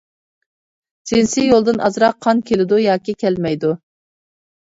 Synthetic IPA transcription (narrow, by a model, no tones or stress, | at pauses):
d͡ʒɪnsɪjolˠd̪ɨnʔɑzɾɑqʰːɑnkʲʰelɪd̪ujɑːkʲikʲʰɛlmɛjd̪u